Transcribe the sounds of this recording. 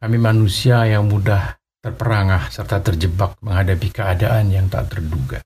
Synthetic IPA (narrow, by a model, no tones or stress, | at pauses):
kamimanusiajaŋmudah | t̪ərpəɾaŋahsərt̪at̪ərd͡ʒəbak̚məŋɦadapikəadaʔanjaŋt̪a̰t̪ːərduɡa